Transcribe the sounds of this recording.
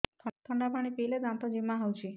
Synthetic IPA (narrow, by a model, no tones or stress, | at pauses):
t̪ʰt̪ʰɔɳɖapʰaɽ̃ipiled͡ʒant̪ɔd͡ʒimːaɦɔwt͡ʃʰi